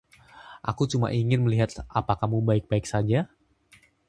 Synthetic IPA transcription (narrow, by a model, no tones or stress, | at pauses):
ʔa̰kut͡ʃuma̰ʔiŋɪnməliɦat̪̚apakahmubaɪk̚baɪk̚sad͡ʒa